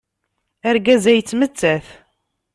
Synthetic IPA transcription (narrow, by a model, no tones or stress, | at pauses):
æɾɡæzæjt͡sːmət͡sːæθ